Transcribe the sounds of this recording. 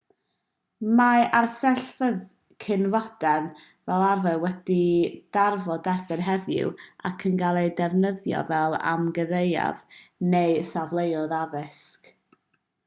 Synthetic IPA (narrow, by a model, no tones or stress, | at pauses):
maarsɛɬfəð | kʰɪnvɔd̥ɛn | vɛlˠavɛwɛd̥id̥arvɔdɛrb̥ɪnɦɛðʊ̰wakʰənɡalˠejdɛvnəðjɔ̰vɛlˠa̰mɡəðeja̰vnejsavlˠejɔðaðɪsk